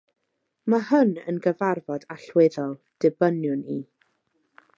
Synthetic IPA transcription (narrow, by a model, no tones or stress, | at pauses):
mahənə̰nɡəvarvɔdaɬwɪðɔlˠ | d̥ɪbənjʊni